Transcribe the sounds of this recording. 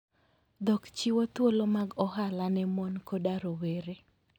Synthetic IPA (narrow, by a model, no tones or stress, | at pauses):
d̪ɔkt͡ʃiwot̪wolomaɡɔɦalanɛmonkodaɾoweɾe